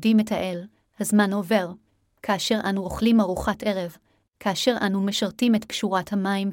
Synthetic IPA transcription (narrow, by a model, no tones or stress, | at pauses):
dimetʰaʔe̞l | hazmano̞ve̞ʁ | kʰaːʃe̞ʁʔanuʁo̞χlimaʁuχatʔe̞ʁe̞v | kʰaːʃe̞ʁʔanumeʃaʁtimetpʃuʁathamaim